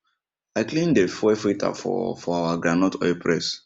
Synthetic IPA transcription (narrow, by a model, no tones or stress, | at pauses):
aɪklĩndefɛfɾitʰa̰fɔ̰fɔawaɡɾanɔtʰɔ̰jpɾɛs